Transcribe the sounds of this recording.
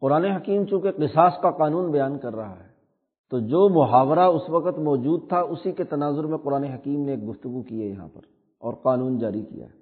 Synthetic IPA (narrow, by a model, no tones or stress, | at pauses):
qʊɾaːneɦɐkiːmt͡ʃũːkeqɪsaːskaqaːnũːnbɐjaːnkɐɾːɐɦa̰ɦɛː | t̪oːd͡ʒoːmʊɦaːʋɾaʊsʋɐqət̪mɔːd͡ʒuːd̪̚t̪ʰaʊsiket̪ɐnaːzʊɾmẽqʊɾaːneɦɐkiːmneːk̚ɡʊft̪ʊɡukijajɐɦã̰pɐ̰ɾ | ɔːɾqaːnuːnd͡ʒaːɾikḭja̰ːɦ